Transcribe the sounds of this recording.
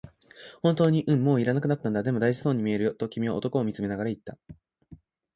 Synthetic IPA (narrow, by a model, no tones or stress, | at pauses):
hõ̞nt̪o̞ːɲ̟iʔɯ̟̃mːo̞ːiɾanakɯ̟nat̪ːãnd̪ad̪e̞mo̞d̪aiʑi̥so̞ːɲ̟ːimʲie̞ɾɯ̟jo̞t̪o̞kʲimʲiβao̞t̪o̞ko̞ːmʲit͡sɨme̞naɡaɾait̪ːa